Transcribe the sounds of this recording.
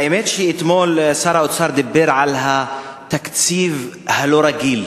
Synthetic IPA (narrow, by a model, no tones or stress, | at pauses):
aʔemet̪ʃiʔit̪moːlsɑːɾˤaʔot͡sɑɾˤd̪abːeɾʕalɦa | t̪akt͡siːvhaloɾˤɑɡil